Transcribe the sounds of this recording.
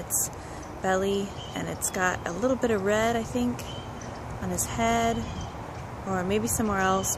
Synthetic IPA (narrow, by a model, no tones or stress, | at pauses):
ɨts | b̥ɛlˠi | ɨ̰̃nɨtsɡ̥ɑɾə̰lɪɾl̩ˠbɪɾʌvɹɛɾaɪθɪ̃ŋk | n̩ɨz̥hɛɾ | ə˞meɪbisʌ̃mwɛɹɛlˠs